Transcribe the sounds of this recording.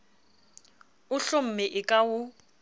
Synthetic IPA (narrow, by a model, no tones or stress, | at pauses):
ʊɬʊm̩mɪʔɪkʼawʊ